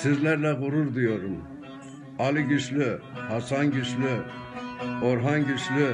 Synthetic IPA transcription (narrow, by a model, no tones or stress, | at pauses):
sizlæɾlɛɣuɾuɾd̪ijoɾum | ɑlˠiɟiʃlɪhɑsɑnɟiʃlɪ | oɾɦɑnɟiʃlɪ